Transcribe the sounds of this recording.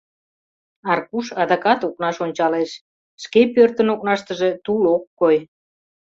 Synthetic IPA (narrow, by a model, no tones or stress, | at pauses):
ɑrkuʃɑd̪ɑkɑt̪ok̚nɑʃonʲt͡ɕɑleʃ | ʃkepørt̪ənok̚nɑʃt̪əʒe̽t̪ulokːoj